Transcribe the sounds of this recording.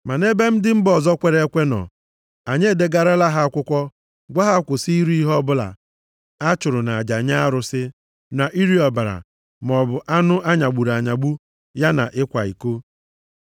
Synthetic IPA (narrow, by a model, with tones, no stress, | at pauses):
ma˨ne˦be˦m̩˦dɪ˦m̩˦bɔ˨zɔ˦kʷe˨ɾe˦e˦kʷe˦nɔ̰˨ | a˨ɲe˦˨de˦ɡa˨ɾa˦la˦ɦa˦kʷʊ˦kʷɔ˦ | ɡʷa˦ɦa˦kʷʊ˨si˦i˦ɾu˦i˦ɦɔ˦bʊ˦la̰˨ | a˦t͡ʃʊ˨ɾʊ˨na˨a˨d͡ʒa˨ɲa˦a˦ɾʊ˨sɪ˦ | na˨ʔi˦ɾi˦ɔ˨ba˨ɾa̰˨ | m˨ɔ˨bʊ˨ʔa˦nʊ˦ʔa˦ɲa˨ɡ͡bu˨ɾa˨ɲa˨ɡ͡bu˦ | ja˦na̰˨ʔɪ˦kʷa˨ḭ˨ko˦